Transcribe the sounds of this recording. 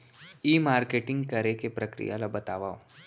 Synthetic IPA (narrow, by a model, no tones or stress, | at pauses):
iːmaːɾkeːʈɪ̃ŋɡkɐɾekepɾɐkɾḭja̰labɐt̪aːʋaːo